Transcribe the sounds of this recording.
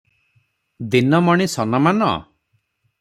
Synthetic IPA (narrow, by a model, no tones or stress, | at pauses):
d̪inɔmɔɽ̃isɔnɔmanɔ̰